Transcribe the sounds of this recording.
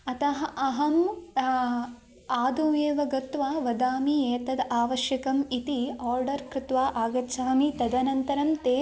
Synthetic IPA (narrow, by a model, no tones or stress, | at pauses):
ɐt̪ɐɦɐɐɦɐm | aːd̪ueːʋɐɡɐt̪ʋaːʋɐd̪aːmieːt̪ɐd̪aːʋɐʃjɐkɐmit̪iaːɾɖɐɾkɾɪt̪ʋaːʔaːɡɐt͡ʃaːmit̪ɐd̪ɐnɐnt̪ɐɾɐmt̪eː